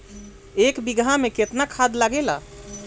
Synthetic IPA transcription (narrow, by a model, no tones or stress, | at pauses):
ekbiɡʱameket̪nakʰad̪laɡela